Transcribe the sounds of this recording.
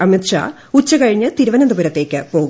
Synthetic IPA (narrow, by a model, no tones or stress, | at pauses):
ɐmit̪ʂa̰ | ut͡ɕːɐkɐɻiɲːɨt̪iɾuʋɐnɐnd̪ubɐɾɐt̪ːe̞ːkʲːɨpo̞ːɣu